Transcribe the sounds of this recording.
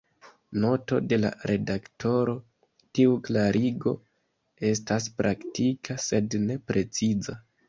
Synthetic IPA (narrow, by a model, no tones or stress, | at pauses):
no̞to̞̰de̞la̰ɾe̞dakto̞ɾo̞ | tiuklaɾʔiɡo̞̰ | e̞s̬tas̬pɾʔaktikʰase̞dne̞pɾe̞t͡siza